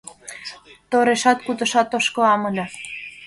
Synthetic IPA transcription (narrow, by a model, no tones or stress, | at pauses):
t̪oɾeʃɑt̪̚kut̪ɤ̆ʃɑt̪ːoʃkɤ̆ɑmɤ̆lʲɤ̆